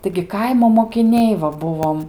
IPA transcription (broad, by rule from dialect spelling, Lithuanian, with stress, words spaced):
tɐɪɡʲɪ ˈkɐɪmoː moːkʲɪˈnʲɛɪ ʋɐ ˈbʊʋoːm